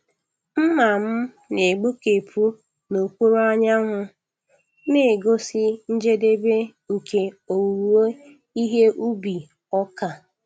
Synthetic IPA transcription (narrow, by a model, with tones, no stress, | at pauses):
m̩˦ma˨m̩˦ | ne˨ɡ͡bo˦ke˨pʰu˦ | no˨kʷu˦ɾo˦a˦ɲa˦ŋʊ˦ | ne˦˨ɡo˦sɪ˦n̩˦d͡ʒe˦de˦be˦ŋ̩˨ke˨o˨wu˨ɾu˨o˦ | i˦ɦe˦ʔu˦bi˨ | ɔ˦ka˨